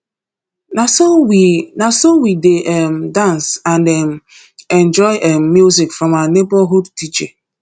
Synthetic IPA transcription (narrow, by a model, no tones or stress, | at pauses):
aswinasowideʔɛm̩dãnsãndɛm̩ | ɛ̃nd͡ʒɔɪʔɛm̩mjuzikfɹɔ̃manebaɦudtit͡ʃe